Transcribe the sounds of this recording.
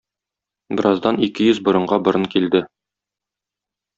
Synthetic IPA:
bɘ̆ɾʔɑzd̪ɑnikɘjɵzbŏɾɤ̆ɴɢɑbŏɾɤɴkild̪ɘ

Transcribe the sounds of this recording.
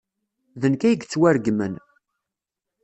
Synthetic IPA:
ðənkæjəɡt͡sːwæɾɡmən

